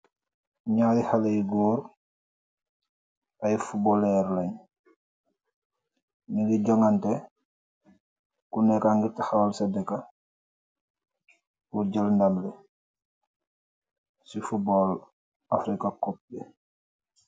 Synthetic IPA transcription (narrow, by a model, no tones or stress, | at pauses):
ɲaːdihalejɡuːɾ | ɐjfubɔlɛɾlɐɲ | niŋɡiɟɔŋantɛ | kunɛkaŋɡiɾtaxawlsɛdɛka | kuɾɟəlndamlɛ | sifubɔl | afɾikakɔp̚lɛ